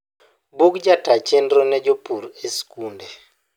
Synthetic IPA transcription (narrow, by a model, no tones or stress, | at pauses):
bukd͡ʒatat͡ʃendɾonɛd͡ʒopuɾeskunde